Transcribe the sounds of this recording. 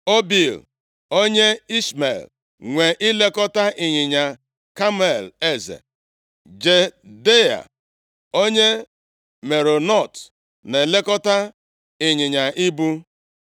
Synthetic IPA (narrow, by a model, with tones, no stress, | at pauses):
o˦bi˨l | o˦ɲe˦i˦sme˨l | ŋʷe˨ʔɪ˦le˦kɔ˦ta˦ʔɪ˨ɲɪ˨ɲa˨ | ka˦m˦e˨le˦zḛ˨ | d͡ʒe˨de˦a̰˨ | o˦ɲe˦ | me˨ɾo˨nɔ˦˨t | ne˨le˦kɔ˦ta˦ | ɪ˨ɲɪ˨ɲa˨ʔi˦bu˦